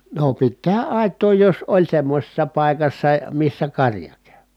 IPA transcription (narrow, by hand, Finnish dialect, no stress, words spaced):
no pit tehæ ʔɑˑi̯tˑoː jos olʲ semːosʲesːɑ pɑˑikɑsːɑ misːæ kɑrjɑ kæ̥ẙ